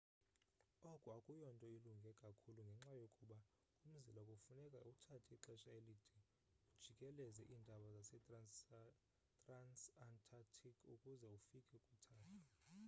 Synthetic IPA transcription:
ɔkʼuakʼujɔntʼɔiluŋɡʱɛkʼakʰuluŋɡʱɛŋ͡ǁajokʼuɓa | um̩zilakʼofunɛkʼautʰatʰiiǁɛʃaelid̥ʱi | ud̥ʒ̥ʱikʼɛlɛzɛʔiːndʱaɓazasɛ | tʼransantʰʼatʰikʰukʼuzɛufikʼɛkʼutʰaːtʰḁ

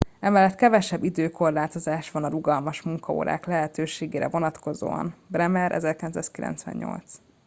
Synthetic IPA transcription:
ɛmɛlːɛt̪kɛvɛʃɛbːid̪øːko̞rlaːt̪o̞zaːʃʋɒnɒɾuɡɒlmɒʃmuŋkɒo̰ːɾa̰ːklɛɦɛt̪øːʃeːɡeːɾɛ̰vo̞nɒt̪ko̞zo̰ːɒ̰nbɾɛmɛɾʔɛ̰zɛrkilɛnsaːskilʔɛ̰nt̪sʋɛ̰ɲɲo̞̰lt̪s

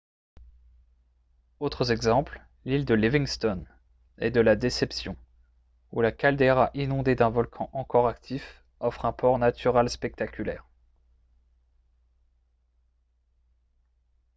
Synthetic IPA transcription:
ot̪χəzɛɡzɑ̃pl | lild̪əliviŋst̪ɔn | ɛ̰d̪əlad̪esɛpsjɔ̰̃ | ulakald̪eʁaʔinɔ̃d̪ed̪ɛ̃vɔlkʰɑ̃ʔɑ̃kɔʁakt̪ʰif | ɔfχɛ̃pʰɔʁnat̪ʰyʁalspɛk̚t̪akʲylɛ̰ːʁ

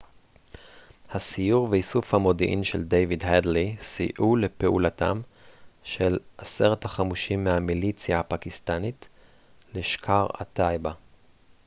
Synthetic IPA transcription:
hasijuʁveisufhamo̞diʔḭmʃḛldejvidhedlisḭʔule̞peʔulata̰mʃelʔase̞ʁethaχamuʃimːehamilit͡sjahapakist̪anit | leʃkʰaʁa̰tajba

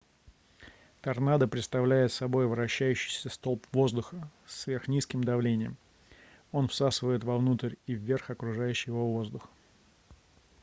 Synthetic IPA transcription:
t̪ɐrnad̪əpɾʲɪt̪st̪ɐvlʲæjɪt̪sɐbo̞jvɾɐɕːæjʉɕːɪ̥jsʲəst̪o̞lˠpvo̞zd̪ʊxəsvʲe̞rxnʲiskʲɪmd̪ɐvlʲenʲɪjə̰m | o̞nfsasɨvəjɪt̪vɐvnut̪əɾʲivːʲe̞rxɐkɾʊʐajʉɕːɪjɪvovo̞zd̪ʊx

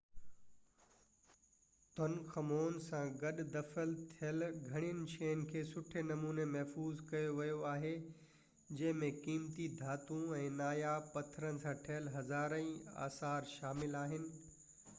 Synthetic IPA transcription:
t̪ɐnkʰɐmoːnsãɡɐɗd̪ɐfəlt̪ʰijəlɡʱɐɽ̃ijənɪ̆ʃeːənɪ̆kʰeːsʊʈʰenɐmuːnemɐɦfuːzkɐjoʋɐjoaːɦe | d͡ʑɐ̃ɦɪ̃mẽkiːmt̪id̪ʱaːt̪ũɛ̃ːnaːjapɐt̪ʰəɾənɪ̆sãʈʰɐɦəlɦɐzaːɾə̃ĩa̰ːsaːɾʃaːmɪlaːɦɪnɪ̆

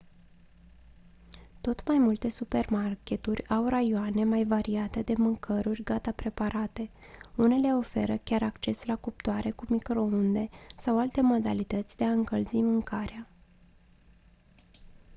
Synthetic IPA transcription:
t̪o̞t̪majmult̪e̞supe̞rmarkʲe̞t̪urʲawrajoane̞majvaɾiat̪e̞d̪e̞mɨŋkʰəɾurʲɡat̪apɾe̞paɾat̪e̞ | une̞le̞o̞fe̞ɾəkʲaɾakt͡ʃe̞slakup̚t̪oaɾe̞kumikɾo̞und̪e̞sawalt̪e̞mo̞d̪alit̪ət̪sʲd̪e̞aɨŋkəlzimɨŋkʰaɾea

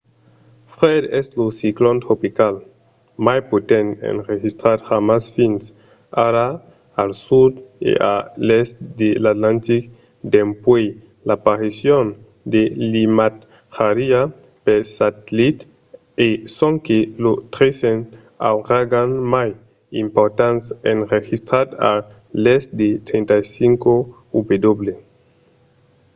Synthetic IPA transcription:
fɾed̪eslosiklont̪ɾopikal | majpot̪ẽnḛnrexist̪ɾaɾxamasfins | aɾa | alsud̪ḛʔa̰lest̪d̪elat̪lãnt̪ik | d̪empwe | lapaɾisjon | d̪elimat̪ | xaɾia | pesat̪lit̪ | esoŋkelot̪ɾesen | a̰wraɡanmaj | ḭmpoɾt̪ansḛnrexist̪ɾad̪a̰ | lesd̪et̪ɾent̪ajsiŋko | ubed̪oβle

